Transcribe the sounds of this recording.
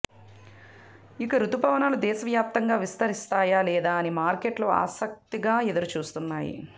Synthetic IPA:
ikɐɾut̪upaːʋɐnaːlud̪ɛːʃɐʋjaːp̚t̪ɐŋɡaːʋist̪ɐɾist̪aːjaːlɛːd̪aːɐnimaːɾkeʈloːa̰ːsɐk̚t̪iɡaːed̪ɐɾut͡ʃuːst̪unːaːjḭ

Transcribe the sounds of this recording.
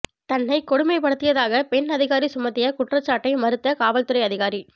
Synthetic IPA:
t̪ɐnːɐɪkɔɽɯmɐɪpɐɽɯt̪ːɪjɐðaːɣɐpɛnɐðɪɣaːɾisʊmɐt̪ːɪjɐkʊʈrɐt͡ʃːaːʈːɐɪmɐɾɯt̪ːɐkaːʋɐlt̪ːɯɾɐɪɐðɪɣaːɾi

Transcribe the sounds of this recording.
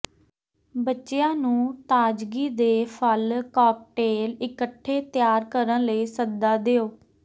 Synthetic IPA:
bətːʃejãːnũːt̪aːd͡ʒɡiːd̪eːpʰəlkaːk̚ʈeːlɪkəʈʰːeːt̪ɪjaːɾkəɾənləiːsəd̪aːd̪eːoː

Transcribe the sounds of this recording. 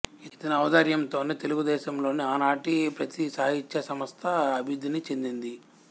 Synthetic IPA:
it̪ɐnɐːʋɐd̪ɐɾjɐmt̪o̞ːneːt̪e̞luɡud̪ɛːʃɐmlo̞ːniaːnaːʈipɾɐt̪isɐːɦit͡ʃːɐsɐmɐst̪ʰɐɐbʱiud̪init͡ʃe̞nd̪ind̪i

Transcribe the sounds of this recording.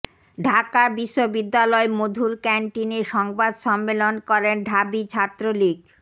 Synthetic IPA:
ɖʱakabiʃːobid̪ːalɔemod̪ʱuɾkɛɳʈineʃɔŋbad̪ʃɔmːelonkɔɾenɖʱabit͡ɕʰat̪ːɾolik

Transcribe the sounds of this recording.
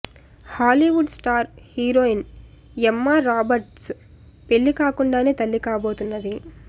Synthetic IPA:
haːliːʋuɖsʈaːɾhiːɾoːin | ɛmːaɾaːbɐɾʈs | pe̞ɭːikaːkuɳɖaːne̞ːt̪ɐlːikaːbo̞ːt̪unːɐd̪i

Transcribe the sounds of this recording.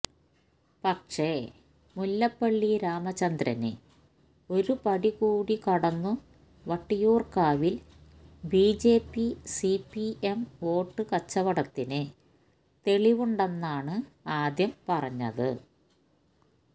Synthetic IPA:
pɐkʂe̞ | mulːɐpːɐɭːiɾaːmɐt͡ɕɐnd̪ɾɐ̰nɨ̰ | o̞ɾupɐɽiɣuːɽikɐɽɐnːu | ʋɐʈːijuːrkaːʋil | biːd͡ʑe̞ːpːisipːiemo̞ːʈːɨkɐt͡ɕːɐʋɐɽɐt̪ːinɨ | t̪e̞ɭiʋuɳɖenːaːɳɨaːd̪jɐmpɐrɐɲːɐ̰ðɨ̰

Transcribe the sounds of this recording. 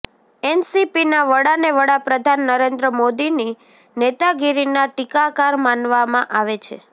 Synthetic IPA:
ɛnsipinaʋəɽaneʋəɽapɾəd̪ʱanːəɾend̪ɾəmod̪ini | net̪aɡiɾinaʈikakaɾmanʋamãʔaʋet͡ʃʰe

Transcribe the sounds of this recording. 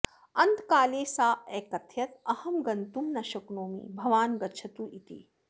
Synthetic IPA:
ɐnt̪kaːleːsaːɛːkɐt̪ʰjɐt̪ɐhɐmɡɐnt̪umnɐʃɐknoːmḭbʱɐʋaːnɡɐtːt͡ʃʰɐt̪uʔit̪ḭ

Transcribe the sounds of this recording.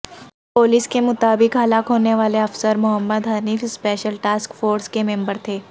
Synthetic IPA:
poːlɪskemʊt̪aːbɪkɦɐlaːkɦoːneʋaːleɐfsəɾmʊɦəmːəd̪ɦaːniːfspeːʃəlʈaːskfoːɾskemẽːmbəɾt̪ʰeː

